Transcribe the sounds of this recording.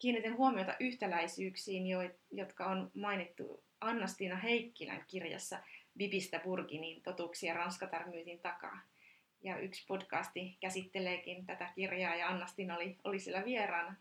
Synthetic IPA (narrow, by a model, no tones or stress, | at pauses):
kiːnːit̪enhuomiot̪ɑ̰ʔyht̪ælæisyːksiːnjoijot̪kɑonmɑinit̪ːṵ | ɑnːɑst̪inɑɦeikːilæ̰ŋkirjɑ̰sːɑbibist̪æburkiniːnt̪o̞t̪uːksiɑrɑnskɑt̪ɑrmyːt̪int̪ɑkɑ̰ː | jɑykspodkɑːst̪ikæsit̪ːeleːkint̪æt̪ækirjɑːjɑɑnːɑst̪inɑolio̰lisielːæʋierɑːnɑ